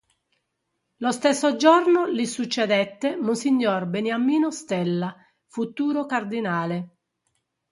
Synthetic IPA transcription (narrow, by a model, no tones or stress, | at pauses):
lost̪esːod͡ʒɔrnolisut͡ʃːɛd̪ɛt̪ːemunsiɲːɔrbenjamiːnost̪ɛlːa | fut̪uːɾokard̪inaːle